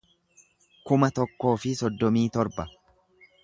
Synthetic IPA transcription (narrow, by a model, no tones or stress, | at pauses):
kʊmɐt̪ɔkːo̞ːfɪsɔd̪ːɔmiːt̪ɔɾbɐ